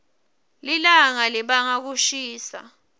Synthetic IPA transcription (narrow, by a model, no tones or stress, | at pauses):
lilaŋaliɓaŋak̬uʃiːsa̰